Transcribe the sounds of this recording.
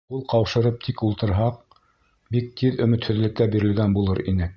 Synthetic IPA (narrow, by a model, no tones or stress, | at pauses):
ulˠqɑwʃɤ̆ɾɤp̚t̪ʰikulˠt̪ɤ̆ɾɦɑq̚ | bik̚t̪ʰiðɵ̆mɘ̆t̪hɵ̆ðlɘ̆kːæbiɾɘ̆lɡænbulˠɤɾinɘ